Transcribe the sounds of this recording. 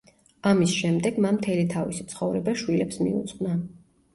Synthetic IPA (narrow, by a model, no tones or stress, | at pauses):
amisʃɛmd̪ɛɡmamt̪ʰɛlit̪ʰavḭsi̥t̪sʰχɔvɾɛbaʃwilɛpsmḭṵt̪sʼqʼna